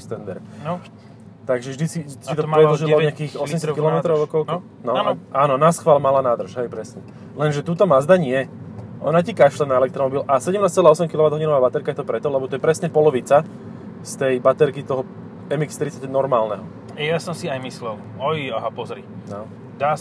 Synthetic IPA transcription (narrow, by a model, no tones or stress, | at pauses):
st̪ɛnd̪ɛɾ | t̪aɡʒɛvʒd̪isisit̪ɔpɾɛd̪lɔʒilɔɔɲɛakiːxɔssɛmɛs̬akilɔmɛt̪ɾɔʊɔkɔlk | nɔʔaːnɔnasxʋaːlmalanaːd̪r̩ʃɦɛjpɾɛsɲɛ | lɛnʒɛt̪uːt̪ɔmazd̪aɲɪɛʔɔ̰nacikaʃlɛnaɛlɛk̚t̪ɾɔmɔbilʔasɛɟɛmnaːst͡sɛlaːɔsɛmkilɔʋad̪ɦɔɟinɔʋaːbat̪ɛɾkajɛt̪ɔpɾɛt̪ɔlɛbɔt̪ɔjɛpɾɛsɲɛpɔlɔʋit͡sa | st̪ɛjbat̪ɛɾkit̪ɔɦɔ | ɛmikst̪ɾit͡sːacːɛnɔɾmaːlnɛɦɔ | ɛjasɔmsiajmislɛl | ɔjaɦapɔzɾḭnɔ | d̪aː